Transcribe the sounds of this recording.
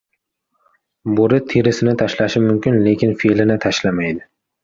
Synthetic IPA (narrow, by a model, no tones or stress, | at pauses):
boɾɪt̪ʰeɾɪsɪnɪt̪ʰaʃlaʃɪmʊmkʲɪnlekʲɪnfelɪnɪt̪ʰaʃlamajd̪ɪ